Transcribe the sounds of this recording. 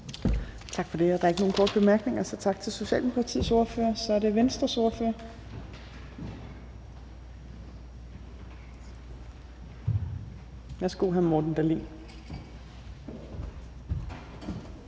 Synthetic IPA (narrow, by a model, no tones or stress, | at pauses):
t͡sʰɑ̈ɡ̥fɒ̽d̥e̝æɐd̥ɑ̈e̝ɡ̥no̝ːn̩kʰɒ̰ːd̥b̥e̝mæɐɡ̥ne̝ŋɐsɒ̽t͡sʰɑ̈ɡ̥̚t͡sʰe̝lso̝ɕɛ̰ːld̥emo̝kʰʁɑ̈t͡sʰḭːso̝ːɐfø̰ːɐsɒ̽æɐɾe̝ʋensd̥ʁɐso̝ɐfø̰ɐ | ʋæɐsɡ̥o̰ɦæmɒːd̥n̩d̥ælḭːn